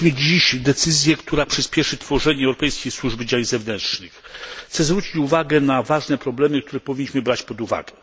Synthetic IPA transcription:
mɘd͡ʑiɕd̪ɛt̪sɘzʲjɛkt̪uɾapʂɘspʲjɛʂɘt̪fɔʐɛɲɛɛwɾɔpɛjskʲejswuʐbɘd͡ʑaɲzɛvnɛnt̪ʂnɨxxt̪sɛzvɾut͡ɕit͡ɕuvaɡɛnavaʐnɛpɾɔblɛmɘkt̪uɾɛpɔvʲiɲːiɕmɘbɾat͡ɕpɔd̪uva̰ɡɛ

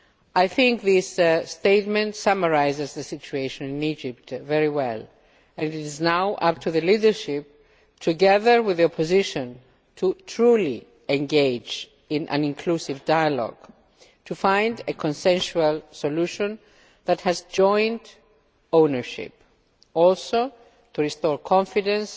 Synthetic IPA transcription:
ajθɪ̃ŋkðɪssteɪt̚mɛ̃ntsʌmə˞aɪzɨzðəsit͡ʃueɪʃə̃nɪ̃nid͡ʒɪp̚tvɛɹiwɛlˠ | ɛ̃nɪznaʊʔʌp̚tʰuðəlidə˞ʃɪp̚ | tʰuɡɛðə˞wɪðiɔpʰɔzɪʃɔ̃n | tʰutʰɹuli | ẽŋɡed͡ʒ | ĩnʔæ̰̃nĩŋkʰlusivdajalɔ̰ɡ̥ | tʰufãj̃ndekʰɔ̃nsɛ̃nʃualˠsoluʃɔ̃n | ðæthɨzd͡ʒɔ̃j̃nt | õʊnəɹʃɪ̰p̚ | ɔlso | tʰuɹistɔɹkʰɔ̃ɱfidə̃ns

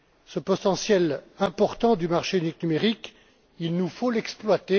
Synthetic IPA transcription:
səpɔt̪ɑ̃sjɛlɛ̃pɔʁt̪ɑ̃d̪ymaʁʃeyniknymeʁik | ilnufolɛksplwat̪e

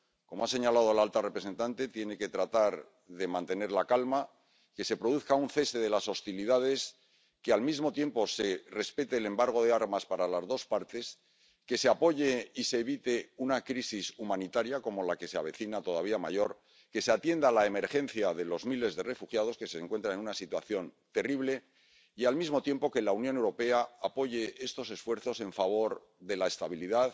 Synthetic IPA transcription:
ko̞moase̞ɲalað̞o̞laalt̪are̞pɾese̞nt̪ant̪e̞t̪je̞ne̞ke̞t̪ɾat̪aɾ | ðe̞mãnt̪e̞ne̞ɾlakalma | ke̞se̞pɾo̞ðuθkaunθe̞st̪e̞ðe̞laso̞st̪iliðað̞e̞s | kealmizmo̞t̪je̞mpo̞se̞re̞spe̞t̪e̞ːle̞mbaɾɣ̞o̞ð̞eaɾmaspaɾalazðo̞spaɾt̪e̞s | ke̞se̞apo̞ʝe̞ise̞ːβit̪e̞unakɾisisumãnit̪aɾjako̞mo̞lake̞seaβe̞θinat̪o̞ðaβ̞iama̰ʝo̞ɾ | ke̞seat̪je̞nd̪alae̞me̞ɾxẽ̞n̟θjaðe̞lo̞zmile̞zðe̞re̞fuxjað̞o̞ske̞se̞ŋkwe̞nt̪ɾaenunasit̪waθjo̞nt̪e̞riβ̞le̞ | ialmizmo̞t̪je̞mpokelaunjone̞wɾo̞pe̞aːpo̞ʝe̞e̞st̪o̞se̞sfwe̞ɾθo̞se̞ɱfaβ̞o̞ɾ | ðe̞lae̞st̪aβiliðað

